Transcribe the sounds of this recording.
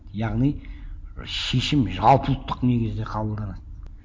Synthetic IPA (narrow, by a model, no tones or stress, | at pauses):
jɑʁnij | ʃe̞ʃɪmʒɑlˠpʰəlˠt̪ːəqne̞ɡʲɪzd̪e̞qʰɑbəlˠd̪ɑnɑt̪